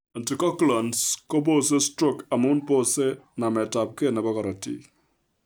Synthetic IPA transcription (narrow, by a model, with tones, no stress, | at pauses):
a˨nti˨kɔ˦kla˨nskɔ˦bo˦s̬e˦stɾɔ˦ka˨mu˦npo˦se˦na˨mɛ˨ta˨p̚ke˦nɛ˨bɔ˦kɔ˨ɾa˨tḭ˦